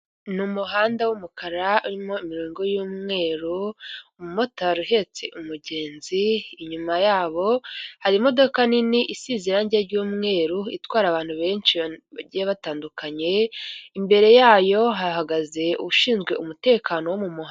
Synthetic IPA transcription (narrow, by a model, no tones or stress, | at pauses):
numuɦaːndawumukʰaɾauɾimo̞imiɾoːŋɡo̞juːmŋe̞ːɾumumo̞taɾiɦe̞t͡se̞ʔumuɟe̞ːnziːɲumajaːβo̞haɾimo̞do̞kaniniʔisizeɾanɟeɾɟuːmŋe̞ːɾuḭtwaːɾaβaːn̥huβe̞ːnʃiβaɟijeβataːndukʰaɲe̞imbe̞ɾe̞jaːjo̞ɦahaɡaze̞uuʃiːnzɡwe̞umute̞ːkʰanowomumuh